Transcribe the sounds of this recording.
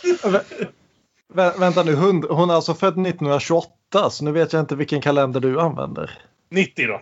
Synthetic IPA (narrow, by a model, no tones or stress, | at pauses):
vɛ | vɛvɛnt̪anʉ̟ːɦɵnd̪ɦʊnaltsɔfœd̪ːnɪt̪ːnənd̪ɾaɕɵɔt̪ːasɔnʉ̟ːveːt̪jaɪnt̪əvɪlkːənkʰalɛnd̪əɖɵanːvɛ̰nd̪ə̰ɾ | nɪt̪ːɪd̪ɔ̰